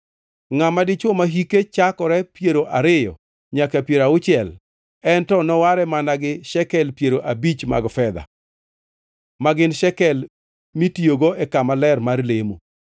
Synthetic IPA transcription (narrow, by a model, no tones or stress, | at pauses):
ŋamadɪt͡ʃwomaɦiket͡ʃakɔɾɛpjeɾoʔaɾɪjɔ̰ | ɲakapjeɾaʊt͡ʃɪɛl | ɛntɔnɔwaɾɛmanaɡɪʃɛkɛlpjeɾoʔabit͡ʃma̰ɡfɛd̪a̰ | maɡɪnʃɛkɛl | mitijoɡoʔɛkamalɛrmarlemo